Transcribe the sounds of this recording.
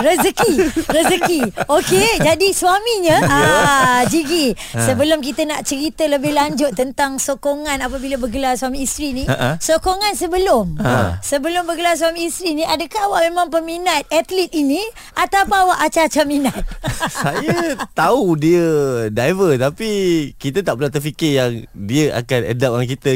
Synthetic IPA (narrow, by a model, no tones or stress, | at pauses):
ɾəzəkiɾəzəkioked͡ʒadisuwamiɲaad͡ʒiɡi | səbəlʊmk̬it̪ənaʔt͡ʃəɾit̪ələbɪhlaɲd͡ʒʊt̪ːənt̪aŋsokoŋãnapabilabəɡəlarswamĩːst̪ɾinĩsokoŋansəbəlʊmsəbəlʊmbəɡəlas̬wamĩːst̪ɾinĩadəkaɦwaʔmemãŋpəminat̪̚at̪lit̪̚ini | ʔat̪apawaʔat͡ʃat͡ʃaminat̪̚sajat̪audiədajvət̪apikit̪ət̪aʔpəlat̪ərfikɪjaŋdiəʔa̰kanə̰dap̚jaŋkit̪ə